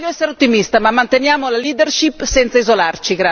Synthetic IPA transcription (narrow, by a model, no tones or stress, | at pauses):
ʎːoɛsːeɾeot̪ːimist̪amamːant̪enjaːmolaliːd̪erʃipːsɛnt̪saizolart͡ʃiɡɾa